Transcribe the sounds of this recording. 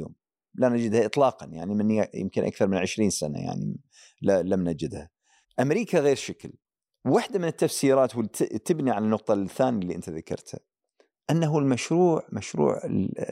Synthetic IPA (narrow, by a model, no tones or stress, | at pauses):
o̰ːm | lanad͡ʒɪd̪haʔɨt̪ˤlɑːqɑnja̰ʕnimɪnjɪ̰mkɪnʔa̰kθɑɾˤmɪnʕɪʃɾiːnsana̰ja̰ʕnḭ | lalamnad͡ʒɪd̪ha | ʔamɾiːkaɣeːɾʃakl | wwaħd̪amɪnɪt̪ːafsiːɾaːt̪wɪt̪t̪ːɪbniʕalanːʊq̚t̪ˤɑθːaːnjalːiʔɪnt̪aðakɑ̰ɾˤt̪ha̰ | ʔanːaɦulmaʃɾuːʕmaʃɾṵːʕɪ̰